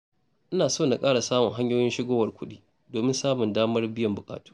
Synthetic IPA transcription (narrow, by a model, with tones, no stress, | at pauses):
ʔɪ˦naː˨soː˦˨na˨kʼaː˦ɽa˨saː˦mʊ˨ŋɦa˦ɲjoː˦jɪ˦nʃɪ˦ɡoː˦wɐ˨rkʷʰʊ˦ɗiː˦ | doː˨mɪ˦nsaː˦mʊ˨ndaː˦mɐ˦rbɪ˦jɐ˨mbʊ˨kʼa̰ː˨tu̥ː˦